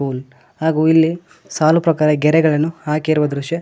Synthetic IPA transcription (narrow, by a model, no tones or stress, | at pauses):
uːl | haːɡuːilːi | saːlupɾɐkaːɾɐɡɛɾɛɡɐɭɐnːuhaːkiɾuʋɐd̪ɾuʂjɐ